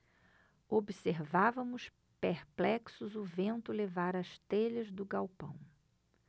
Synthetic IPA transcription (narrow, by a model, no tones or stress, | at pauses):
obiseɾvavɐmʊs | peɾplɛksʊzʊvẽnt̪ʊlevaɾɐʃt̪eʎɐzd̪ʊɡawpɐ̰̃w̃